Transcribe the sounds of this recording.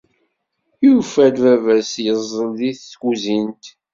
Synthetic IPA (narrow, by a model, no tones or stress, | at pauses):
jufæd̪vævæsjəzˤːəlðiθːɡuzint̪